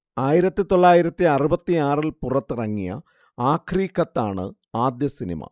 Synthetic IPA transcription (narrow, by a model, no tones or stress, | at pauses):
aːjiɾɐt̪ːit̪o̞ɭːaːjiɾɐt̪ːiɐrubɐt̪ːiaːrilpurɐt̪ːɨrɐŋːijɐ̰ | aːkʰriːkːɐt̪ːaːɳɨ̰ | aːd̪jɐsinḭmɐ̰